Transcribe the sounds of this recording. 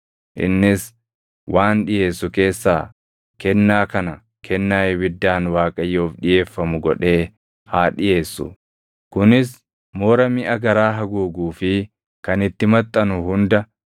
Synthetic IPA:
ʔɪ̰nːɪs | wʔaːnᶑɪjeːsːʊke̞ːsːaː | kɛnːaːkɐnɐ | kʰɛnːaːjbɪd̪ːaːnwaːkʼɐjːoːfᶑɪje̞ːfːɐmʊɡɔᶑe̞ː | haːᶑɪje̞ːsːʊ̰ | kʊnɪs | moːɾɐmɪʔɐɡɐɾaːɦɐɡuːɡuːfɪ | kɐnɪt̪ːɪmɐt̪ʼːɐnʊhʊnd̪ɐ

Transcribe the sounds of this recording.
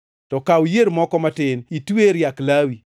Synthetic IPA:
tɔkaujeɾmɔkɔmatɪnitweɾjaklawi

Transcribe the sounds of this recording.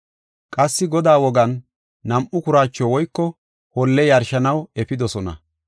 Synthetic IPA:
kʼɐsːɪɡɔd̪aːwɔɡɐnː | ɐmʔʊkʊɾaːt͡ʃːɔwɔjkːɔ | hɔlːɛjɐɾʃɐnɐwɛpɪd̪ɔsɔnɐ̰

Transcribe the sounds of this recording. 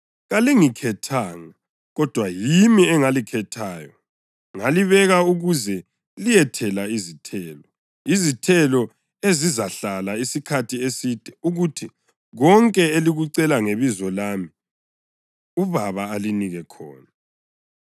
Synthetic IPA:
ɣaliŋikʰɛtʰaːŋa | ɣɔd̥ʱwajimiɛŋalikʰɛtʰaːjɔ̰ | ŋaliβɛɣauɣuzɛ | lijɛtʰɛlaizitʰɛːlɔ | izitʰɛlɔ | ezizaɬalaisikʰatʰiesiːd̥ʱʼɛuɣutʰi | ɣɔŋkʼɛeliɣuǀɛlaŋeβizɔlaːmi | uβaβaːliniɣɛkʰɔ̰ːna

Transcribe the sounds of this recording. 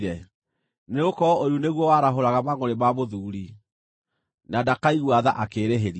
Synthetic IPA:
ɾɛ | neokɔoɾjuneɣwɔwaɾaɦoɾaɣamaŋoɾemamoðuːɾi | nadakaiɣwaðaʔakeɾeɦeɾi

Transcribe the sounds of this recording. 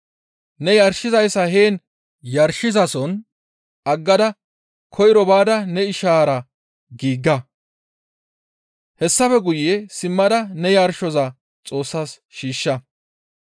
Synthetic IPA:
nɛjɐɾʃɪzɐjsːɐɦeːn | jɐɾʃɪzɐsɔn | ʔɐɡːɐd̪ɐ | kʰɔjɪɾɔbaːd̪ɐnɛɪʃaːɾɐ | ɡiːɡːɐ | hɛsːɐfɛɡʊjːesɪmːɐd̪ɐnɛjɐɾʃɔzɐ | t͡sʼo̞ːsːaːs | ʃiːʃːɐ

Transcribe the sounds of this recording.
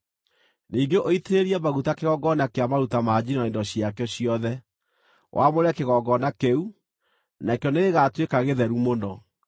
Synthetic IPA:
niːɡeʔoiteɾeɾiamaɣutakeɣɔɡɔnakeamaɾutamad͡ʑinɔendɔɕijakɛɔɕiɔðɛ | wʔa̰moɾakeɣɔɡɔnakeu | nakejɔneɣeɣatwekaɣeðɛɾumonɔ

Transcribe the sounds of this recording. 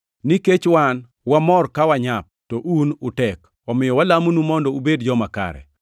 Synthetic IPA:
niket͡ʃwan | wamɔrkawaɲap̚tɔʔunʊtɛk | ɔmɪjɔwalamnumɔndɔubedd͡ʒɔmaka̰ɾɛ̰

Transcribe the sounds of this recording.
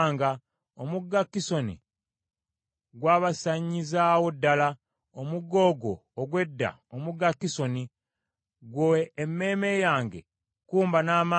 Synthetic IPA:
ŋɡa | omuɡːakːiso̞nḭ | ɡwaːβasaɲːizawodːala | omuɡo̞ɡo̞ːɡwe̞dːa̰ | omuɡakːiso̞ni | ɡwoemːe̞ːmejaːŋɡe̞̰ | kuːmbanaːma

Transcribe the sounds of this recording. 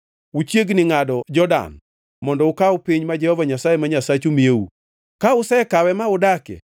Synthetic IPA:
ut͡ʃjeɡnɪŋadɔd͡ʒɔda̰n | mɔndɔʊkawpiɲmad͡ʒɛhɔvaɲasajemaɲasat͡ʃumieṵ | kaʊsɛkawɛmaʊdakɛ̰

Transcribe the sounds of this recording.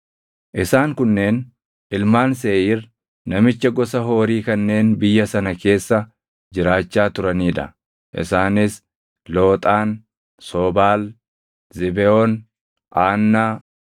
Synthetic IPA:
ʔɪsaːŋkʊnːe̞ːn | ʔɪlmaːns̬eːjirː | ɐmɪt͡ʃːɐɡɔsɐɦo̞ːɾiːkɐnːe̞ːnbɪjːɐsɐnɐke̞ːsːɐ | d͡ʒɪɾaːt͡ʃːaːt̪ʊɾɐniːᶑɐ̰ | ʔɪ̰saːnɪs | lo̞ːt̪ʼaːn | soːbaːl | zɪbɛɔn | ʔaːnːaː

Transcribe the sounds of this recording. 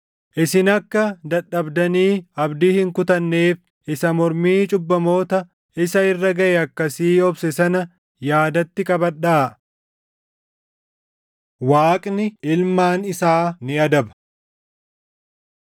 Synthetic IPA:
ʔɪsɪnɐkːɐd̪ɐɗːɐbd̪ɐniːɐbd̪iːhɪŋkʊt̪ɐnːe̞ːf | ʔɪsɐmɔɾmiːt͡ʃʼʊbːɐmo̞ːt̪ɐ | ɪsɐɪrːɐɡɐʔɛɐkːɐsiːɔbsɛsɐnɐ | jaːd̪ɐt̪ːɪkʼɐbɐɗːaː | waːkʼnɪɪlmaːnɪsaːnɪɐd̪ɐbɐ̥

